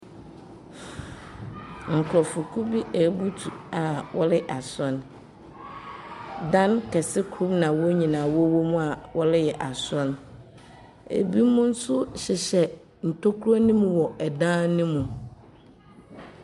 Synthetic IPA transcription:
ŋ̩˨kʰʊ˨ɾɔ˨fʊ˨kʰu˦bi˦ʔæ˨˦bu˦tʰu˨a˨wʔɔ˦lɪ˦ʔa˨sɔ̃˦n | dã˦nkʰɛ˨sɪ˦kʰɾu˦bnã˨wɔ˦ɲĩ˨nãː˨wɔ˦wo˦mũ˦a˨wɔ˦lɪ˦jɛ˨ʔa˨sɔ̃˦n | ḛ˨bi˦mũ˦n̩˦sʊ˦ɕɪ˨ɕɛ˨ | n̩˨tʰo˦kʰu˦ɾɔ˦nĩ˦mũ˨wɔ˨ʔɛ˨dãː˦nʊ̃˦mũ˨

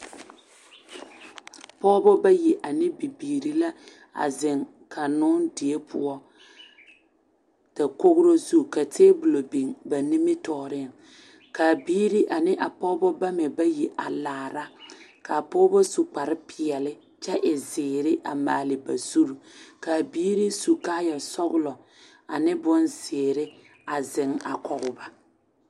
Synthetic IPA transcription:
pɔː˦bɔ˦ba˦ji˨ʔa˨nɪ˦bi˨biː˨ɾi˨la˦ | a̰˨zɪ˨ŋ | kʰa˨nʊ˦ndɪ˨e˦pʰʊ̰˦ɔ˦ | ta˨ko˦ɣʊ˦ɾo˦zu˦˨ka˨tʰeː˦bʊ˨lo˨bi˨ŋba˨nɪ˦mɪ˦tɔː˨ɾɪ˦a˨ | ka˨biː˦ɾi˦ʔa˨nɪ˦ʔa˨pɔː˦bɔ˦ba˦mɛ˨ba˦ji˨ʔa˨laː˨ɾa˦ka˨pɔ˦bɔ˦su˨k͡pa˨ɾɪ˦pɪ˨ɛ˨lɪ˦ | t͡ʃɛ˦ʔɪ˨zɪː˨ɾɪ˦ʔa˨maː˨lɪ˨ba˨z̥u˦ɾu˨ka˨biː˦ɾi˦su˨kaː˦ja˨sɔ˦ɣʊ˦lɔ˨ | a˨nɪ˦bʊ˦nzɪː˨ɾɪ˦ | a˨zɪ˨ŋa̰˨kɔ˨ɣʊ˦ba˦

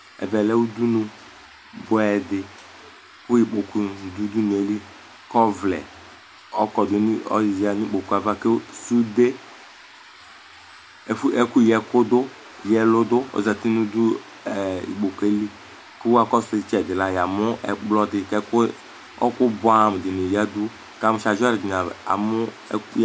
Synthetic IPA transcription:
ɛ̰˨vɛ˨lɛ˦u˦du˦nũ˨ | bʊ˨˦ɛ˨dɪ˨ | kʊ˦i˨k͡po˨ku˨du˦du˦nu˨e˦li˦ | kɔ˦vlɛ̰˨ | ɔ˦kɔ˨dʊ˨˦n˦ɔ̰˦˨za˨ni˦k͡po˨ku˦a˨va˦ke˦su˦de˦˨ | fɛ˦ku˦jɛ˨kʊ˦dʊ˦ | jɛ˨lʊ˦dʊ˦o̰˨za˨ti˦nu˦du˦˨ | ḭ˨ɡ͡bo˨ke˦li˦ | ke˦wa˦kɔ˦sɪ˦t͡ʃɛ˨dɪ˨la˨ja˨mʊ˦ʔɛ̰˨blɔ˦dɪ˨kɛ˦k | ɔ̰˦kʊ˦bʊ˨˦a˦˨m˨dɪ˨nɪ˨ja˦du˦ | ka˦˨mʊ˦ʃa˨ʒɔ˦ɾɪ˨d͡ʒɪ˨na˨a̰˨mʊ˦

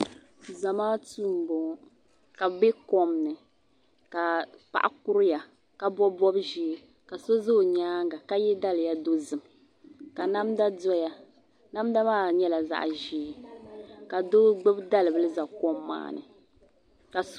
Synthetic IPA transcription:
za˨maː˦tu˦m˨bɔ˨˦ | ka˨bɛ˦kɔ˦mnɨ˨ | ka˨pa̰˨ʔa̰˦ku˦ɾɨ˦ja˨ | ka˨bɔ˦bɔ˦bʒi˨˦ | ka˨so˦zo˦˨ɲaː˦ŋɡa˨ka˦jɛ˦da˦lja˦do˦zɨ˨m | ka˨na˦mda˦dɔ˦ja˨ | na˦mda˦maː˦˨ɲɛ˦la˨za̰˦˨ʔʒiː˨˦ | ka˨do˦ɡ͡bɨ˦bda˦lɨ˨bɨ˦lɨ˦za˨kɔ˦mːa̰ː˦˨nɨ̰˨ | ka˨

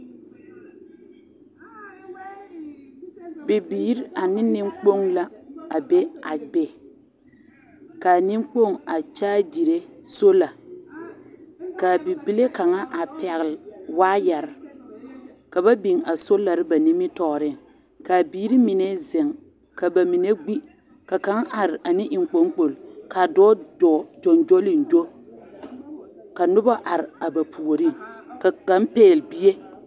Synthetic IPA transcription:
bɪ˨biː˨˦ɾa˨nɪ˦nɪ˦ŋ͡mk͡po˦ŋla˦a˨be˦a̰˨bɛ˦ | ka˨nɪ˦mk͡po˦˨ŋa˨t͡ʃaː˦d͡ʒi˨ɾe˦so˦la˨ | ka˨bɪ˨bi˦le˦ka˨ŋa˦ʔa˨pɛ˨ɣɪ˨lwaː˦ja˨ɾɪ˨ | ka˨ba˦bi˨ŋa˨so˦la˨ɾɪ˦ba˨ni˦mɪ˦tɔː˨ɾɪ˦˨ŋ | ka˨biː˦ɾi˦mɪ˨nɛ˦zɪ˨ŋ | ka˨ba˨mɪ˨ne˦ɡ͡bi˦ | ka˨ka˨˦ŋʔa˨ɾɪ˨a˨nɪ˦ʔɪ˨ŋ˨k͡po˨˦ŋk͡po˨lka˨dɔː˦dɔ˨d͡ʒɔ˨nd͡ʒo˦lɪ˦˨nd͡ʒo˦ | ka˨nʊ˦ba˦ʔa˨ɾɪ˨a˨ba˨pʰu˨o˨ɾi˦˨ŋka˨ka˦mpeː˦˨lbi˦je˦

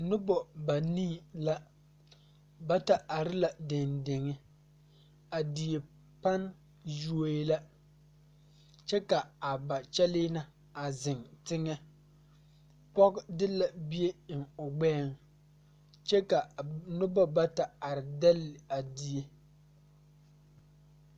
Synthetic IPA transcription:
nʊ˦bɔ˨ba˨ni˦la˦ | ba˦ta˨a˨ɾɪ˦la˨dɪ˨ndɪ˨ŋɪ˦ | a˨di˨e˨ | pa˦n | ju˦o˦la˦ | t͡ʃɛ˦ka˨a˨ba˨t͡ʃɛ˦lɪ˦na˨ | a˨zɪ˨ŋtɪ˦ŋɛ˦ | pɔ˦ɡdɪ˦la˨bi˦e˦ɪ˨ŋʊ˨ɡ͡bɛː˦˨ŋ | t͡ʃɛ˦ka˨nʊ˦ba˦ba˦ta˨a˨ɾɪ˨dɛ˦lːɪ˨a˨di˦e˦

